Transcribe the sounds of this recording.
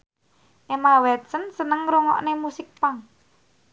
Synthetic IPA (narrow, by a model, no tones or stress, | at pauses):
ʔemawɛt̪sənsənəŋɾoŋɔ̰ʔnemusɪk̚paŋ